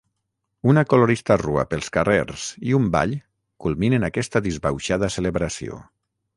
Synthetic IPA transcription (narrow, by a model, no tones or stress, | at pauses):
unakoloɾist̪arua̰pelˠskareɾz̥iumba̰ʎ | kulˠminenakɛst̪əðizβawʃaðəseleβɾasio̰